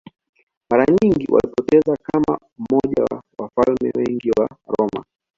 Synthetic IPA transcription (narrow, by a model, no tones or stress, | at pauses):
maɾaɲiŋɡiwa̰lipɔtɛzakama | m̩mɔʄawafalmɛwɛŋɡiwaɾɔma̰